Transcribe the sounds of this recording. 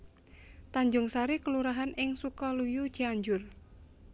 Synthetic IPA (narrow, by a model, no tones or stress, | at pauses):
t̪aɲd͡ʒʊŋsaɾikəluɾaɦanɪŋsukɔlujud̥ʒ̥iaɲd͡ʒʊr